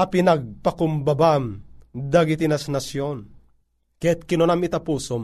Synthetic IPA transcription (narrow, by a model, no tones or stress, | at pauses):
ɐpinaɡ̚pakumbabamd̪aɡit̪inasnasjon | kɛɛt̪̚kinonamit̪apuːsom